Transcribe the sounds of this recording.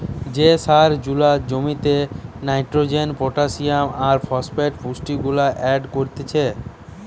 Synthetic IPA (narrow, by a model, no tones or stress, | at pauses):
d͡ʑesaɾd͡ʑulad͡ʑomit̪enajʈɾod͡ʑenpoʈasijamaɾfʰɔspeʈpusʈiɡulaʔɛɖkoɾt̪et͡ɕʰe